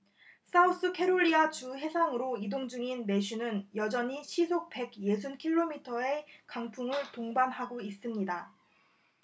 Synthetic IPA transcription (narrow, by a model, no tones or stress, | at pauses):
s͈aus͈ɯkʰe̞ɾoʎːiat͡ɕuɦe̞sʰaŋɯɾoidoŋd͡ʑuŋinme̞ɕʰunɯnjʌd͡ʑʌɲiɕʰisʰok̚pe̞ɡje̞s̬ʰunkʰiɭːomitʰʌe̞kaŋpʰuŋɯɭtoŋbanɦaɡois͈ɯmɲida